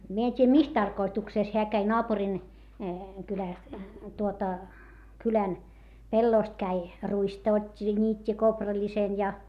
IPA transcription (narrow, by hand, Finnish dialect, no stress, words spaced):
mie en tʲiːjæ mis tɑrkoitukseˑs heæ kæi noɑpurin kylæˑst tuotɑ kylæn pelːoˑst kæi ruistɑ otʲːi jɑ nʲiːtʲːi koprɑlʲisen jɑ